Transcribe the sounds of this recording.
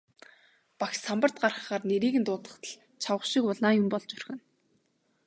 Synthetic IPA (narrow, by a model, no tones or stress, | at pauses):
paxsampə̆r̥t̪̚ɢarχə̆χaːrneɾiːɣɘ̆nt̪ʊːt̪ə̆χt̪ə̆ɮ | t͡ɕʰawə̆χʃikʊɮaːjʊmpɔɮt͡ɕɵrxɘ̆n